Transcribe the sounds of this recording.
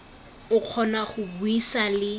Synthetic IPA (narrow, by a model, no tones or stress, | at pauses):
ʊq͡χʰɔnaχʊbuisalɪ